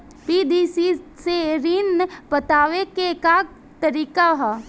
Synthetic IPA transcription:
pid̪isiseɾinpət̪aːʋekeka | t̪əɾiːkaɦa

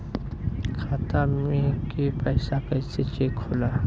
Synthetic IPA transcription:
kʰaːt̪amẽkipɛːsakɐɪset͡ʃeːkʰːʊlaː

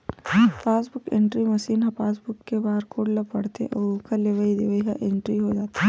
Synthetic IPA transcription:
paːsbʊkḛ̃ɳʈɾimɐʃiːnɐ̃paːs̬bʊkːebaːɾkoːɽlɐbpɐɽt̪ḛʔɔukʰɐleʋəid̪eʋəiɦa̰ʔẽɳʈɾiɦod͡ʒaːt̪eɦ

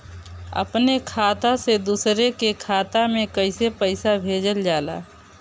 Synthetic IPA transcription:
ə̰pnekʰaːt̪ased̪uːsɾekekʰaːt̪amẽkəɪsepəɪsabʱeːd͡ʒəld͡ʒaːla̰ː

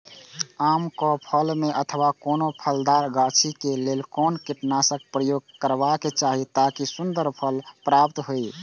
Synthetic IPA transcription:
amkɔpʰəlmeʔət̪ʰəbakonopʰəld̪aɾɡat͡ʃʰikelelkɔnkiʈnasək̚pɾəjoɡ̚kəɾbaket͡ʃaɦit̪akisund̪əɾpʰəlpɾap̚t̪ɦoi

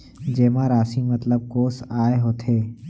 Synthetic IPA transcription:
d͡ʒeːmãɾaːsimɐt̪ləb̚koːsaːeɦoːt̪ʰeː

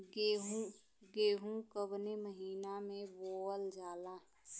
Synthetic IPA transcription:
ɡeɦũ | ɡeːɦũkəbneməɦiːnamẽboːəld͡ʒaːla

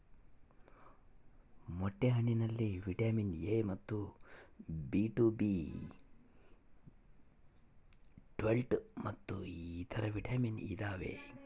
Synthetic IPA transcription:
moʈːeɦɐɳinɐlːiʋiʈaːminjeːmɐt̪ːu | biːʈuːbiː | ʈʋelʈmɐt̪ːuiiːt̪ʰɐɾɐʋiʈaːminḭːd̪aːʋḛ

